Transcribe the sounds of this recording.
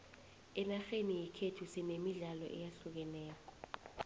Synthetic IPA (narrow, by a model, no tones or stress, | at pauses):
ɛnaxenijikʰetʰusinemiɮalɔ̰ʔɛ̰jaɬuk̬ɛnɛːkɔ